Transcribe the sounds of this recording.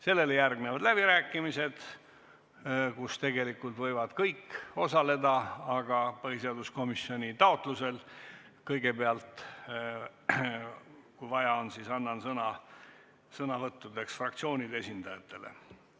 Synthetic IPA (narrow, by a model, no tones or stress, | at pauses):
se̞lːe̞lejærɡnevɑd̪læb̥iɾæːkːˑimise̞d̪̥ | kust̪e̞ɡe̞likːult̪vɤ̞jvɑd̪̥kɤjkːo̞sɑle̞d̪ɑɑɡ̥ɑpɤɦiseɑd̪usko̞misːjo̞nʲit̪ɑo̞t̪ˑluse̞l | kɤjɡ̥e̞beɑlt̪ | kujvɑjɑonsisɑnːɑnsɤnɑ | sɤnɑvɤt̪ːud̪e̞ksfrɑkt̪sio̞ːnʲid̪e̞sind̪̥ɑjɑt̪ːˑe̞lḛ